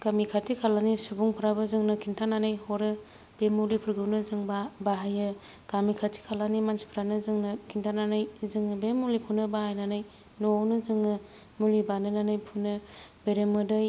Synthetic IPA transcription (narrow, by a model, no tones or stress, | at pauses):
ɡ̥amikʰatikʰalanisubuŋpʰɯɾabɯzɯŋnɯkʰintʰananɯjhɔɾɯ | b̥emulipʰuɾɡɯwnɯzɯŋbabaɦajɯ | ɡ̥amikʰatʰi̥kʰalanimansi̥pʰɾanɯzɯŋnɯkʰintʰananɯjzɯŋbemulipʰunɯbahajnanɯj | nownɯzɯŋɯ | mulibanɯnanɯjpʰunɯbeɾemɯdɯj